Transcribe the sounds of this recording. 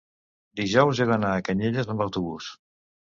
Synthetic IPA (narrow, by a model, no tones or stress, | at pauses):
d̪iʒɔwzeɣənaːkəɲeʎəzəmbəwt̪uβus